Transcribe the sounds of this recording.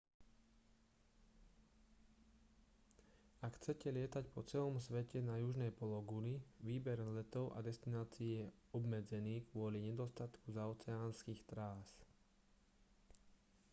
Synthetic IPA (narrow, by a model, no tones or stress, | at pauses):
akxt͡sɛcɛlɪɛt̪acpɔt͡sɛlɔmsʋɛcɛnajuʒnɛjpɔlɔɡuliʋiːbɛɾlɛt̪ɔʊʔa̰d̪ɛst̪inaːt͡siːjɛɔbmɛd͡zɛniːkʋʊɔliɲɛd̪ɔst̪at̪kuzaɔt͡sɛaːnskiːxt̪ɾaːs